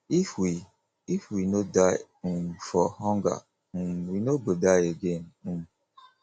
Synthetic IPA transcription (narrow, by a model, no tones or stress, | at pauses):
ifwi | ifwinodaj | fɔhɔŋɡa̰ | winobədajeɡen̩m